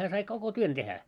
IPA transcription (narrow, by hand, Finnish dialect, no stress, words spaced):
hæː sɑi koko tuon tehæ